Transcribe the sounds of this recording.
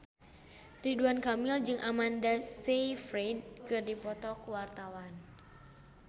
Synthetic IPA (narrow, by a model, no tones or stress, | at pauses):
riduankamild͡ʒɨŋʔamandasejfɾenkɨrdipɔt̪ɔkwart̪awan